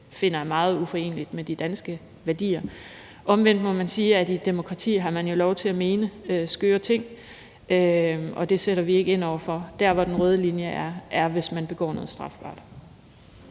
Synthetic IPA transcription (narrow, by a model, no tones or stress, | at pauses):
fe̝n̰ɐmɑ̈ːð̞̩ˠufɒ̽e̝̰ːnəlid̥med̥id̥ænsɡ̥ə | ʋæɐd̥ḭːɐ | ʔɒ̽mʋen̰d̥mɔ̽mænsiːædid̥emo̝kʰʁɑ̈t͡sʰḭːɦɑ̈mænjo̝lɒʊt͡sʰe̝læme̝ːnəøsɡ̥øːɐt͡sʰe̝ŋ̰ | ʔøɒ̽d̥e̝seɾ̥ɐʋie̝ɡ̥əe̝n̰ɒʊ̰ɐfɒ̽d̥æɐʋɒd̥enʁœːð̞ˠəlinjəʔæɐʔæɐʋe̝smænb̥e̝ɡ̥ɒ̰ːnoːð̩ˠsd̥ʁɑ̈fb̥ɑ̰̈ːd̥